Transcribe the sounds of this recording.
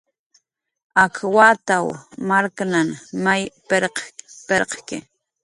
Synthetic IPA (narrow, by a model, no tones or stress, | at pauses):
akʰwat̪awmaɾknanmajpeɾqpeɾqkɪ̰